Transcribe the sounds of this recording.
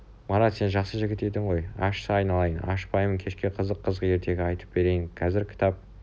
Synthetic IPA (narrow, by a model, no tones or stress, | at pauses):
mɑɾɑt̪se̞nʒɑqsəʒɪɡʲɪt̪e̞d̪ɪɴʁo̞jɑ̰ʃsəɑjnɑlˠɑjənɑ̰ʃpɑjməŋkʲʰe̞ʃkʲe̞qʰəzəqʰːəzʁəe̞ɾt̪ʰe̞ɡʲɪɑjt̪ə̥p̚be̞ɾe̞jɪnqʰɑzɪɾkʲʰɪ̥t̪ɑp̚